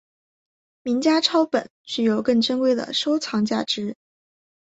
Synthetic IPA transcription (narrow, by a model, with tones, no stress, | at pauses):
mi˧˥ŋt͡ɕja˥ʈ͡ʂʰɑ˥ʊpə˨˩˦nt͡ɕy˥˩jo˨˧˩ʊkɤ˥˩ŋʈ͡ʂə˥nkwe˥˩ɪd̪ə̰˨˩ʂo˥ʊt͡sʰɑ˧˥ŋt͡ɕja̰˥˩ʈ͡ʂɻ̩˧˥